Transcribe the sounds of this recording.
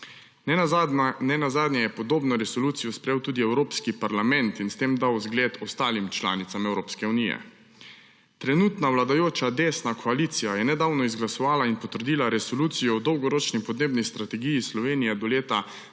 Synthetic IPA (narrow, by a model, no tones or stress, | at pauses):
nɛnazaːd̪nʲjɛjɛpɔd̪oːbnɔɾɛsɔluːt̪sijɔspɾejewt̪uːd̪iɛwɾoːpskipaɾlamɛnt̪inst̪eːmd̪awzɡleːt̪ɔst̪aːlimt͡ʃla̰ːnit̪amɛwɾoːpskɛunijɛ̰ | t̪ɾɛnuːt̪nawlad̪ajoːt͡ʃad̪eːsnakʰɔalit̪sijajɛnɛd̪aːwnɔizɡlasɔʋaːlainpɔt̪əɾd̪iːlaɾɛsɔluːt̪sijɔwd̪ɔwɡɔɾoːt͡ʃnipɔd̪neːbnist̪ɾat̪ɛɡijislɔʋeːnijɛd̪ɔleːt̪a